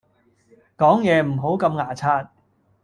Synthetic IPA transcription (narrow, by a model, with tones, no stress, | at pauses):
kɔː˨˥ŋjɛː˨˧m̩˨˩ɦo˨˥wkɐ˧mŋaː˨˩t͡sʰaː˧t̚